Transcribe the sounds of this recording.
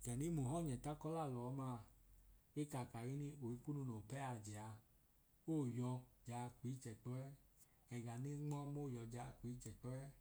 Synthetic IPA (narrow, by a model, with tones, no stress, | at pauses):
kɛ˨ni˦mu˨ɦɔ˦˨ɲɛ˨ta˦kɔ˦la˦˨lɔ˨˦ma˧˦˨ | e˦ka˨ka˨ɣi˦ni˦o˨i˧ku˦nu˧no˨pɛ˦a˧d͡ʒɛ˨a˨˧ | oː˦˨jɔ˧d͡ʒa˧˨ki˨˦t͡ʃɛ˨k͡pɔ˦ɛ˦ | ɛ˨ɡa˨ni˦ŋ͡mɔ˦moː˦˨jɔ˧d͡ʒa˧˨ki˨˦t͡ʃɛ˨k͡pɔ˦ɛ˦